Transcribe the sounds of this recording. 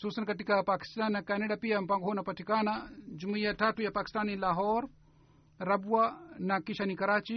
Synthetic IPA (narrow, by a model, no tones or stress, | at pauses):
suːsɐnkɐʈikapaːki̥st̪aːnːɐkɛːneɖapijɐmpɐŋɡʱɦoːnɐpɐtʰikaːnad͡ʒumɐjɐtʰaːtujɐpaːki̥st̪aːnilaːɦoːɾ | ɾɐbuwanɐkiʃɐnikɐɾaːt͡ʃi